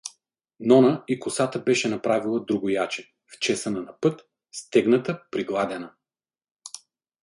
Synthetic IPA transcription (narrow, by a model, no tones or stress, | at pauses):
nɔnəikʊsat̪əbɛʃɛnɐpɾavilˠəd̪ɾuɡʊjat͡ʃɛ | ft͡ʃɛsənɐnɐpɤt̪ | st̪ɛɡnət̪əpɾiɡlˠad̪ɛnə